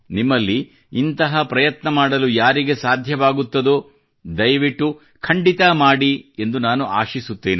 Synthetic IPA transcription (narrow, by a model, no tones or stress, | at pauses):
nimːɐlːi | int̪ɐɦɐpɾɐjɐt̪nɐmaːɽɐlujaːɾiɡe̞saːd̪ʱjɐʋaːɡut̪ːɐd̪o | d̪ɐjʋiʈːu | kʰɐɳɖit̪ɐmaːɽie̞nd̪unaːnuaːʃisut̪ːeːni